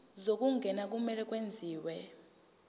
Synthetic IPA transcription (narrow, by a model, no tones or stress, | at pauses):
zok̬ʼuŋɡʱɛnak̬ʼumɛlɛk̬ʼwend͡zʱiːwɛ